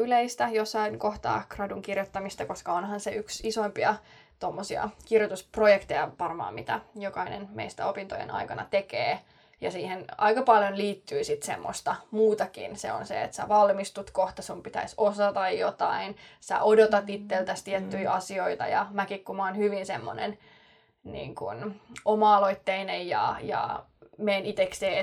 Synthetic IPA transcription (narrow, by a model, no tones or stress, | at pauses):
yleist̪æjosːɑinkoht̪ɑ̰ːkrɑduŋkirjot̪ːɑmist̪ɑkoskɑonhɑnseʔyksisoimpiɑ | t̪omːosiɑ̰kirjot̪usprojekt̪ejɑʋɑrmɑ̰ːmit̪æ̰jokɑinḛnmḛist̪æ̰opint̪ojḛnɑ̰ikɑnɑ̰t̪ekḛː | jɑsiːhenɑ̰ikɑpɑljonliːt̪ːyːsit̪sḛmːo̰st̪ɑmuːt̪ɑkḭnsḛo̰nsḛḛt̪sæ̰ʋɑlmist̪ut̪koht̪ɑsumpit̪æ̰isosɑt̪ɑjjot̪ɑinsæ̰ʔodot̪ɑt̪it̪ːelt̪æst̪iɛt̪ːyiʔɑsioit̪ɑ̰jɑ̰mækikkumɑːnhyʋinsemːonḛn | nḭːŋkunomɑɑloit̪ːeinejjɑ̰jɑ̰meːnit̪ekseː